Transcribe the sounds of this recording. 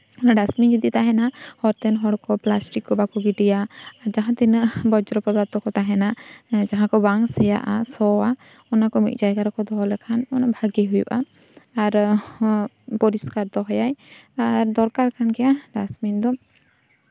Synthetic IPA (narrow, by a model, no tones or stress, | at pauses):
ɔnaɖasmind͡ʒud̪it̪aɦɛnahɔɾt̪ɛnɦɔɽkɔplasʈikːɔbakɔɡiʈijaːɾd͡ʒaɦãt̪inbɔd͡ʒɾɔpɔd̪aɾt̪ɔkɔt̪aɦɛnad͡ʒaɦãkɔbaŋsɛja̰ʔasɔa | ɔnakɔmḭt̪̚ˀd͡ʒajɡaɾɔkɔd̪ɔɦɔlɛkʰanɔnabʱaɡiɦujṵʔa̰ː | ɾ | pɔɾiskaɾd̪ɔɦɔjajaɾd̪ɔɾkaɾkʰankɛjaɖasmind̪ɔ